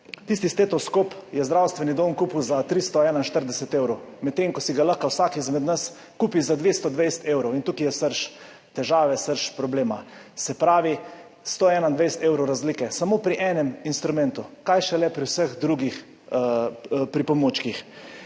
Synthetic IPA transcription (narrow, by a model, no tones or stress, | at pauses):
t̪ist̪ist̪et̪ɔskopjɛzd̪ɾawst̪ʋɛnid̪onkuːpuwzat̪ɾist̪ɔɛːnainʃt̪əɾd̪ɛsɛt̪ewɾɔwmɛt̪ːeŋkɔsiɡalaxkawsaːkizmɛd̪nəs | kuːpizad̪ʋeːst̪ɔd̪ʋejst̪ewɾɔwint̪uːkijɛsəɾʃ | t̪ɛʒaːʋɛsəɾʃpɾɔbleːmasɛpɾaːʋi | st̪oːɛːnaind̪ʋejsɛ̥t̪eːwɾowɾazlikɛsamopɾiʔɛːnɛminst̪ɾumɛnt̪ukajʃɛlɛpɾiwsəxd̪ɾuɡix | pɾipɔmoːt͡ʃkix